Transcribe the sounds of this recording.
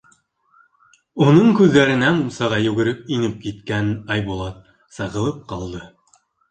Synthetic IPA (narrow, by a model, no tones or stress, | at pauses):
unɤɴkʉðːæɾɘ̆nænusɑʁɑjʉɡɘ̆ɾɘk̚inɘp̚kit̪kænɑjβulˠɑt̪̚ | sɑʁɤ̆lˠɤp̚qɑlˠd̪ɤ